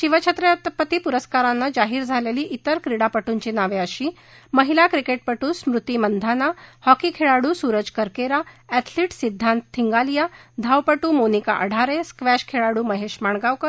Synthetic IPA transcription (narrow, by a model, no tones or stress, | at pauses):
ɕiʋət͡ɕʰet̪ɾjat̪pət̪iːpuɾəskaɾanːad͡ʑaɦiːɾd͡zʱaleliːʔit̪əɾkɾiɽapəʈuɲt͡ɕinaʋeəɕiː | məɦilakɾikeʈ̚pəʈuːsmɾut̪imənd̪ʱanahɔkiːkʰeɭaɽuːsuɾəd͡ʑkəɾkeɾaɛt̪ʰliːʈsid̪ʱːant̪ʰːiŋɡalijad̪ʱawpəʈuːmonika̰ʔəɽ̤ʱaɾeskʋɛɕkʰeɭaɽuːməɦeɕmaɳɡawkəɾ